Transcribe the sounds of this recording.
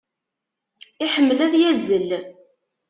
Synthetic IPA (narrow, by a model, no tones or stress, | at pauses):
iħəmːəlæðjæzəl